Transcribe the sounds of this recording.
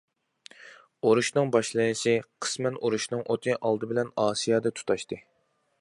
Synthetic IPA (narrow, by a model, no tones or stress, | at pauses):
oɾuʃnɨŋbɑʃlˠɨjɨʃɪqʰə̥smɛnoɾuʃnɨŋʔot̪ʰɨʔɑlˠd̪ɨbɪlɛnɑːsijɑːd̪ɑt̪ʰu̥t̪ʰɑʃt̪ɨ